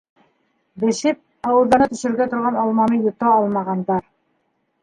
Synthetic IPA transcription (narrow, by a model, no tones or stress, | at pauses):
bɘ̆ʃɘp̚ | ɑwɤ̆ɾɑnɤt̪ɵ̆ʃɘ̆ɾɘ̆ɾɡæt̪ŏɾʁɑnɑlˠmɑmijŭt̪ɑɑlˠmɑʁɑnd̪ɑɾ